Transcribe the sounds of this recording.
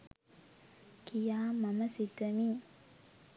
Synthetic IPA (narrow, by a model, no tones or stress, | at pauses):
kijaːmaməsit̪əmi